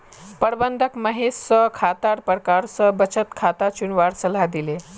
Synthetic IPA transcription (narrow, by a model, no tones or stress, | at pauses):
pəɽbənd̪ʱəkməɦessəkʰat̪aɾpəɾkaɾsəbət͡ɕət̪kʰat̪at͡ɕuɳʋaɾsəlad̪ile